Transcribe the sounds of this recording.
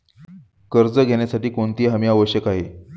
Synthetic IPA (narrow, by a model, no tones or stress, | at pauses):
kəɾd͡zəɡʱeɳjasaʈiːkoɳt̪iːɦamiːaʋəɕjəkaɦe